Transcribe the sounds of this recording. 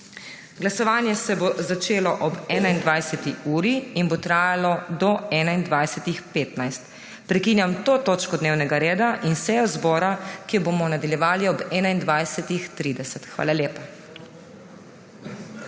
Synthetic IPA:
ɡlasɔʋaːnjɛsɛbozat͡ʃeːlɔʔɔbɛːnaind̪ʋajsɛt̪iuːɾiinbot̪ɾaːjalɔd̪ɔɛːnaind̪ʋajsɛt̪ixpeːt̪najst̪ | pɾɛkinjamt̪oːt̪oːt͡ʃkɔd̪neːwnɛɡaɾeːd̪aʔinsɛjɔzbɔːɾakijɔbomɔnad̪aljɛʋaːliɔbɛːnaind̪ʋajsɛt̪ixt̪ɾiːd̪ɛsɛt̪xʋa̰ːlaljeːpa

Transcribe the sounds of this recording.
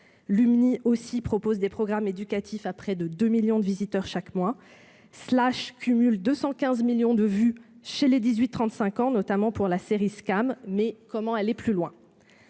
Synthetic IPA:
lymniʔosipχɔpozd̪epχɔɡʁamed̪ykʲat̪ʰifapχɛd̪əd̪ømiljɔ̃d̪əvizit̪œʁʃakmwa | slaʃkʰʲymyld̪øsɑ̃kʲɛ̃zmiljɔ̃d̪əvyʃeled̪izɥit̪ːχɑ̃t̪sɛ̃kɑ̃nɔt̪amɑ̃puʁlaseʁiskamːɛkɔmɑ̃ɛlɛplylwɛ̃

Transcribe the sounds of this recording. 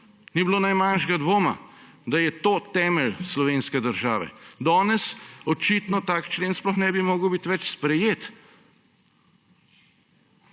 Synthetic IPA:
niblonajmanʃɡad̪ʋoːma̰ | d̪ajɛt̪oːt̪ɛːmɛlslɔʋeːnskɛd̪əɾʒaːʋɛ̰d̪ɔːnɛsɔt͡ʃiːt̪nɔt̪aːkt͡ʃleːnsplɔxnɛbimoːɡəwbit̪ʋɛt͡ʃspɾɛjeːt̪

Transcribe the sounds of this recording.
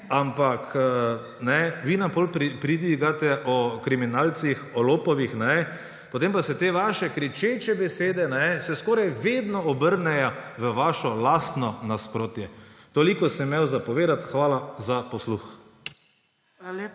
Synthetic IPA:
ampakː | nɛʋinampolpɾipɾid̪ʋiɡat̪ɛʔɔkɾiminaːlt̪sixɔloːpɔʋixnɛ | pɔt̪eːmpasɛt̪eːʋaʃɛkɾit͡ʃet͡ʃɛbɛseːd̪ɛnɛsɛskɔːɾajʋeːd̪nɔɔbəɾnɛjɔʋəʋaːʃɔlast̪nɔnaspɾoːt̪jɛt̪oːlikɔsɛmɛwzapɔʋeːd̪at̪xʋaːlazapɔslux

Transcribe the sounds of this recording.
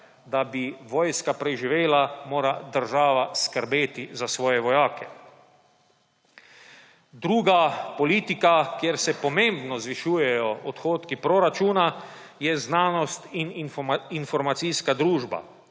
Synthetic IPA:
d̪abiʋɔːjskapɾɛʒiʋeːlamoːɾad̪əɾʒaːʋaskəɾbeːt̪izasʋɔːjɛʋɔjaːkɛ | d̪ɾuːɡapɔliːt̪ikakjeɾsɛpɔmẽmbnɔzʋiʃuːjɛjɔɔt̪xoːt̪kipɾoɾat͡ʃuːnajɛznaːnɔst̪ininfɔɾmat̪sijskad̪ɾuːʒba̰

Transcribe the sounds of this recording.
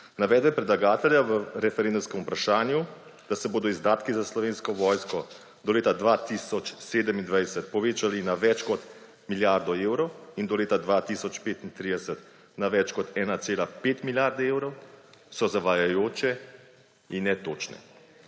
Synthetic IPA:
naʋɛːd̪bɛpɾɛd̪laɡaːt̪ɛljaʋəɾɛfɛɾeːnd̪umskɛmupɾaʃaːnju | d̪̥asɛboːd̪ɔizd̪aːt̪kizaslɔʋeːnskɔʋɔːjskɔ | d̪ɔleːt̪ad̪ʋat̪iːsɔt͡ʃseːd̪əmind̪ʋajsət̪̚pɔʋeːt͡ʃalinaʋɛt͡ʃkɔt̪ | miljaɾd̪ɔeːwɾɔwind̪ɔleːt̪ad̪ʋaːt̪iːsɔt͡ʃpeːt̪int̪ɾiːd̪ɛsət̪ | naʋɛt͡ʃkɔt̪ɛːnat̪seːlapeːt̪miljaɾd̪ɛeːwɾɔwsɔzaʋajajoːt͡ʃɛ | inːɛt̪oːt͡ʃnɛ̰

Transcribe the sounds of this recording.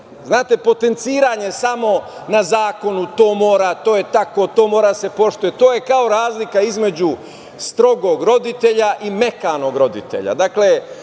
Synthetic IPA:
znaːt̪e̞po̞t̪e̞nt̪siːɾaɲe̞samo̞ | nazaːko̞nut̪o̞ːmo̞ːɾat̪o̞ːjet̪akot̪o̞ːmo̞ːɾad̪ase̞po̞ʃt̪ujet̪oːje̞kao̞ɾaːzlikaizme̞d͡ʑu | st̪ɾo̞ɡo̞ːɡɾo̞d̪it̪e̞ʎaʔime̞kaːno̞ːɡɾo̞d̪ḭt̪e̞̰ʎa̰d̪akle̞

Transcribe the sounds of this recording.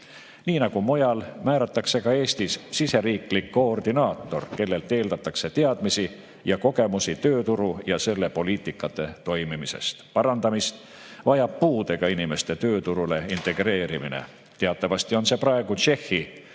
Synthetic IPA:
niːnɑɡ̥umo̞jɑlmæːɾɑt̪ːˑɑkse̞ɡɑe̞ːst̪issise̞ɾiːklikːoːrd̪inɑːt̪ːˑo̞rke̞lːe̞lt̪e̞ːld̪ɑt̪ːˑɑkse̞t̪eɑd̪̥misi | jɑko̞ɡe̞musit̪ø̞ːt̪uɾujɑse̞lːe̞po̞liːt̪ˑikːˑɑt̪ːˑe̞t̪o̞jmimise̞̰st̪pɑɾɑnd̪ɑmist̪ | vɑjɑbpːuːd̪eɡ̥ɑinime̞st̪e̞t̪øːt̪uɾule̞int̪e̞ɡ̥re̞ːɾiminḛ | t̪e̞ɑt̪ːˑɑvɑst̪io̞nse̞prɑeɡ̥ut͡ʃe̞hːi

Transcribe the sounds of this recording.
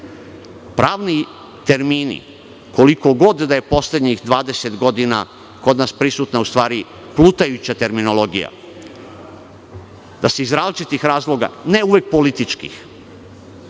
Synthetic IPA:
pɾaːʋni | t̪e̞ɾmiːnḭ | ko̞liko̞ɡo̞d̪d̪aje̞po̞slʲed̪ɲixd̪ʋaːd̪e̞set̪ɡo̞d̪ina̰ | ko̞d̪naspɾisut̪naust̪ʋaːɾi | plˠut̪ajut͡ɕat̪e̞ɾmino̞lˠo̞ɡḭja̰ | d̪aseizɾaːzlit͡ʃit̪ixɾaːzlo̞ɡa̰ne̞uʋek̚po̞lit̪it͡ʃkḭx

